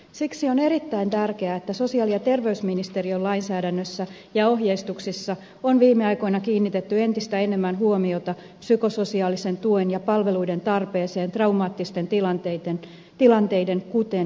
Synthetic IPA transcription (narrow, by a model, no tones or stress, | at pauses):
siksio̞ne̞ɾit̪ːæint̪ærke̞æet̪ːæso̞siɑːliɑt̪e̞rʋeysminist̪eriolɑinsæːdænːøsːæ | jɑo̞ɦjeist̪uksisːɑ | onʋiːmːeɑjko̞inɑkiːnːit̪e̞t̪ːye̞nt̪ist̪æe̞ne̞mːænɦuomio̞t̪ɑ | psyko̞so̞siɑːlise̞nt̪uenjɑpɑlʋe̞luide̞nt̪ɑrpe̞ːseːnt̪rɑwmɑːt̪ːist̪e̞nt̪ilɑnt̪et̪en | t̪ilɑnt̪e̞jde̞ŋkut̪en